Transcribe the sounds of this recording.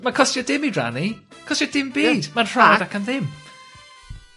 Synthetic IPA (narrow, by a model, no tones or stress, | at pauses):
makʰɔstjɔdɪmidra̰nikʰɔstjɔd̥ɪmbiːd̥manr̥aːdakʰənðɪm